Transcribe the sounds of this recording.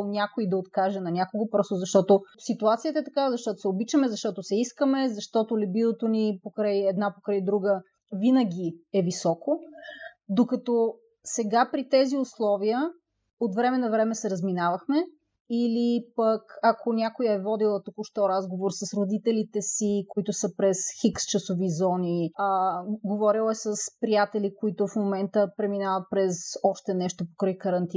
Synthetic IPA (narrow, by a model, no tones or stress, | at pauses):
nʲakoid̪ɐot̪kaʒɛnɐnʲakoɡopɾɔst̪ʊzɐʃt̪ɔt̪osit̪uat̪sijət̪əɛt̪ɐkazɐʃt̪ɔt̪ʊsɛobit͡ʃəmɛzɐʃt̪ɔt̪osɛiskəmɛzɐʃt̪ɔt̪olɛbilˠot̪onipokɾəjɛd̪napokɾəjd̪ɾuɡə | vinəɡʲiɛvisɔko | d̪okɐt̪ɔ | sɛɡapɾit̪ɛziʊslˠɔvijə | ot̪vɾɛmɛnɐvɾɛmɛsɛɾəzminavəxmɛ | ilipəkɐkʰonʲjakojəɛvɔd̪ilˠət̪ukʊʃt̪ɔɾazɡovoɾsəsɾod̪it̪ɛlit̪ɛsikoit̪ʊsəpɾɛsxikst͡ʃəsovizɔni | ɡovɔɾilˠɛsəspɾijat̪ɛlikoit̪ʊfmomɛnt̪əpɾɛminavət̪̚pɾɛsɔʃt̪ɛnɛʃt̪opo̥kɾəjkəɾɐnt̪i